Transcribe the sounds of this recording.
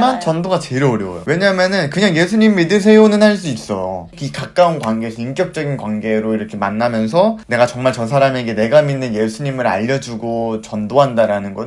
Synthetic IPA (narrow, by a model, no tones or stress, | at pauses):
mant͡ɕʌndoɡat͡ɕeɾʌoɾjʌo̰jo̰we̞ɲamjʌnɯnkɯɲaŋje̞sʰuɲimidɯs̬ʰe̞onɯnhaɭs̬͈uis͈ʌjo̰ | ikak͈aunkwanɡeːsʰʌink͈jʌk̚t͡ɕ͈ʌɡinkwaŋɡe̞ɾoiɾʌkʰe̞manːamjʌns̬ʰʌne̞ɡat͡ɕʌŋmaɭt͡ɕʌsʰaɾame̞ɡe̞ne̞ɡaminːɯnje̞sʰuɲimɯɾa̰ʎːʌd͡ʑuɡot͡ɕʌndoɦandaɾanɯnɡʌ